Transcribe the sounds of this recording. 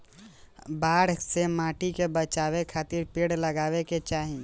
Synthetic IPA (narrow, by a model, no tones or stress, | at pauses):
baːɽsemaːʈikebət͡ʃaːwekʰaːt̪ɪɾpeːɽləɡaːweket͡ʃaːɦĩ